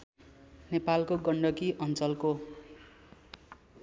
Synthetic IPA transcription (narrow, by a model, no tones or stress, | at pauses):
nepalkoɡʌɳɖʌkiʔʌnt͡sʌlko